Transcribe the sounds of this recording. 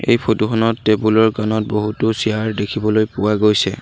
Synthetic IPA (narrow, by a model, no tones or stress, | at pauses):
ḛjpʰotuxʰɔnɔtːebulɔɹkanɔt̚boɦutʊsijaɹdekʰibɔlojpʊwaɡojsɛ̰